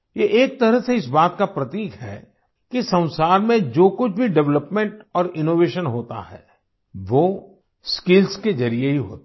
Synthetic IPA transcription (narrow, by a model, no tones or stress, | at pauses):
jeʔeːk̚t̪ɐɾəɦseɪsbaːt̪kapɾɐt̪iːkɦɛ̰ | kisɐ̃w̃saːɾmẽd͡ʒoːkʊt͡ʃʰbʱiɖɛʋləpmẽɳʈɔːɾɪnoːʋeːʃənɦoːt̪a̰ɦɛ̰ː | ʋoː | skɪlsked͡ʒɐɾijeɦiɦo̰ːt̪a